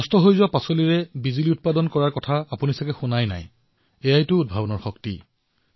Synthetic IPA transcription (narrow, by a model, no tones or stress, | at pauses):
ɔstɔɦojzɔpasoliɹɛbiziliʊt̚padɔnkɔɹaɹkɔtʰaapunisakɛxunajna̰j | ejajtʊːd̚bʱabɔnɔɹxɔktḭ